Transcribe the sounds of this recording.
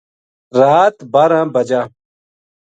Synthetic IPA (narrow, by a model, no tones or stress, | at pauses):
ɾaːt̪baɾãːbɐd͡ʑaː